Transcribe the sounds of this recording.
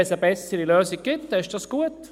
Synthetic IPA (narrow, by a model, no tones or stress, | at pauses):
ɛsəbɛsəɾiløːsɪɡ̚ɡ̥ɪt̪ːɪʃd̥ɑsɡ̥uət